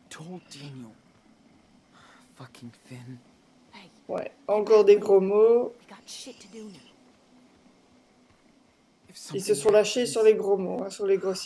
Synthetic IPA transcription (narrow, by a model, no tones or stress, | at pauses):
tʰolˠd͡ʒænjl̩ˠ | fʌkʰɪ̃ŋθɪ̃n | wɛ̰ɑ̃kɔʁd̪eɡʁomo | ilsəsɔ̃laʃesyʁleɡʁomoɛ̃syʁleɡʁos